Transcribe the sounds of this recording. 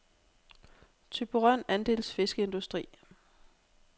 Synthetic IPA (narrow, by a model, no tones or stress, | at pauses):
t͡sʰyb̥uʁɑn̰ænd̥e̝̰ːlsfe̝sɡ̥əe̝nd̥usd̥ʁḭː